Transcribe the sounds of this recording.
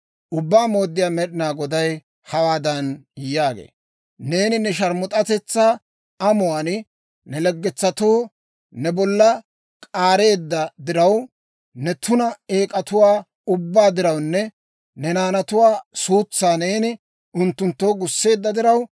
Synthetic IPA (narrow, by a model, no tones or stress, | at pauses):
ʔʊbːaːmo̞ːd̪ːɪjaːmɛɗɪnaːɡɔd̪ɐj | hɐwaːd̪ɐnjːaːɡḛː | ne̞ːnɪnɛʃɐɾmʊt̪ʼɐt̪ɛt͡sːa | ɐmʊwan | nɛlɛɡːɛt͡sːɐt̪oː | nɛbɔlːɐ | kʼaːɾe̞ːd̪ːɐd̪ɪɾɐw | nɛt̪ʊnɐeːkʼɐt̪ʊwaː | ʊbːaːd̪ɪɾɐwnːɛ | nɛnaːnɐt̪ʊwaːsuːt͡sːaːne̞ːnɪ | ʊnt̪ːʊnt̪ːoːɡʊsːe̞ːd̪ːɐd̪ɪɾɐw